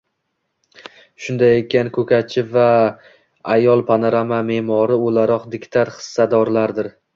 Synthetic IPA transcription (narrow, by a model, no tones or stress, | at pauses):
ʃʊnd̪ajekʲʰːankʰɵkʰʲat͡ʃʰɪva | ajɒlˠpʰanaɾamame̞mɒɾɪolaɾɒqd̪ɪkʲt̪ʰaɾχɨ̥sːad̪ɒɾlaɾd̪ɪɾ